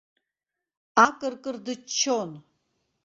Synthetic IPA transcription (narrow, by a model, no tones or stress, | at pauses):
akʼɨrkʼɨrd̪ɨt͡ʃʰːon